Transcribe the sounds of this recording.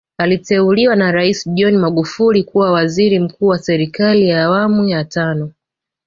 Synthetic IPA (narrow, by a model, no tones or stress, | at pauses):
alitɛuliwanaɾaisʄɔnmaɠufulikuwawaziɾim̩kuːwasɛɾikalijaːwamujatanɔ